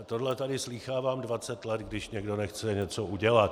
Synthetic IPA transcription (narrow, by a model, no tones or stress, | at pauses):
t̪odlɛt̪adɪsliːxaːvaːmdvat͡sɛt̪lɛt̪ɡdɪʃɲɛɡdonɛxt͡sɛɲɛt͡souɟɛlat̪